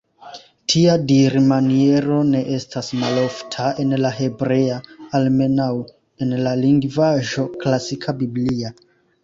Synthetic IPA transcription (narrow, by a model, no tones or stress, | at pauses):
tʰiadiɾmanie̞ɾo̞ne̞ʔestasmalo̞ftʰae̞nlaɦe̞bɾe̞aːlme̞naw | e̞nlaliŋɡvaʒo̞klasikʰabiblia